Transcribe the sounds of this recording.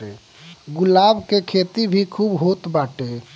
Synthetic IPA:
e | ɡʊlaːbkekʰeːt̪ibʱikʰuːbɦot̪baːʈe

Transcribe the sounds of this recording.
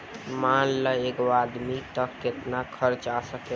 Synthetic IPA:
manləeɡoad̪mit̪əkːet̪nakʰəɾt͡ʃasəke

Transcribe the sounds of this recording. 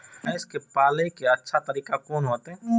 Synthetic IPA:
ɛskepaːlekeɐtːʃʰat̪ɐɾiːkakoːnuɐt̪ẽː

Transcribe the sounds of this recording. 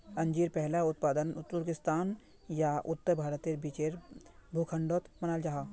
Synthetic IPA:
ɐ̃ɲd͡ʒiːɾpɛɦlaʊt̪paːd̪ənʊt̪ːʊɾkɪst̪aːn | jaʔʊt̪ːəɾbʱaːɾət̪eɾbit͡ʃeːɾbʱukʰə̃ɳɖoːt̪mɐnaːld͡ʒaɦaː

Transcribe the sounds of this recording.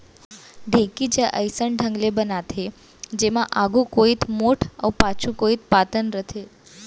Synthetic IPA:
ɖʱekid͡ʒãʔəjsəɳɖʱə̃ŋɡlebənat̪ʰe | d͡ʒemãʔaɡũkoit̪moʈʰəwpat͡ʃʰũkoit̪̚pat̪ənɾət̪ʰe

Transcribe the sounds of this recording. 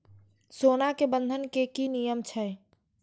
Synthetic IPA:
sonakebə̃nd̪ʱənkekinijəmt͡ʃʰɛ

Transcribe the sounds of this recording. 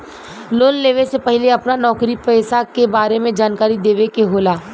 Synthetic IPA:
loːnleːʋesepɛɦleɐpnanɔːkɾipɛːsakebaːɾemẽd͡ʒaːnkaːɾid̪eːʋekeɦoːlaː

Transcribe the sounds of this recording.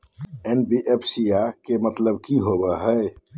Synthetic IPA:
enbiʔepʰsijakemət̪ləbkiɦobɛɦəj

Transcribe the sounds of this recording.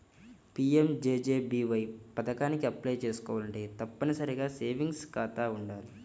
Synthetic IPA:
piːemd͡ʒeːd͡ʒe̞ːbiːʋɐjpɐt̪ɐkaːnikiɐplɐjt͡ʃe̞ːsu̥kɔːʋaːlɐɳʈeːt̪ɐpːɐnisɐɾiɡaːse̞ːʋiŋɡskaːt̪aːuɳɖaːli

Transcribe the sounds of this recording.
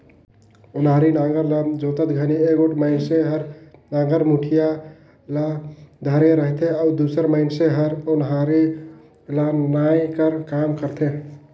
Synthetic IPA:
ʊnɦaɾinaɡəɾlad͡ʒot̪ət̪ɡʱənieɡoʈməɪnseɦəɾnaɡəɾmuʈʰija | lad̪ʱəɾeɾəɦt̪ʰeaʊd̪usəɾməɪnseɦəɾʊnɦaɾi | lanajkəɾkamkəɾt̪ʰe

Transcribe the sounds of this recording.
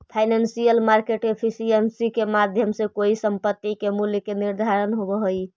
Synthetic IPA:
pʰaɪnansijəlmaɾkeʈepʰisiensikemad̪ʱjəmsekoisəmpət̪ːikemuljkeniɾd̪ʱaɾənɦobɔɦoj

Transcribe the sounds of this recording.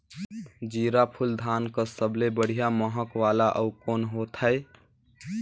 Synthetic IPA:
d͡ʒiːɾapʰʊld̪ʱaːnkəsəblebəɽ̤ijaməɦəkʋaːlaʔəʊkoːnɦoːt̪əe

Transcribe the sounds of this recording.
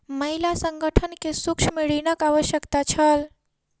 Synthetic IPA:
məɦilasəŋɡəʈʰənkesukʃʰmeɽinəkaʋəʃjəkt̪at͡ʃʰəl

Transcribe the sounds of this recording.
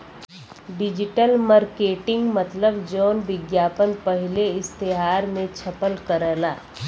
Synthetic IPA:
ɖɪd͡ʒɪʈəlmaɾkeːʈɪ̃ŋɡmət̪ləbd͡ʒɔːnbɪɡjaːpənpəɦɪleɪst̪eɦaːɾmẽt͡ʃʰɐpəlkəɾəːlaː

